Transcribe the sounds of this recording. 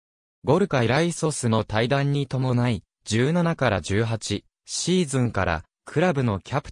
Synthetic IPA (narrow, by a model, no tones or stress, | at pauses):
ɡo̞ɾɯ̟kaiɾaiso̞sɨno̞t̪aid̪ãɲ̟ːit̪o̞mo̞nai | d͡ʑɨːnanakaɾad͡ʑɨːɦat͡ɕi | ɕiːzɨ̃ŋkaɾa̰ | kʰɯ̟ɾabɯ̟no̞kʲapɯ̟̥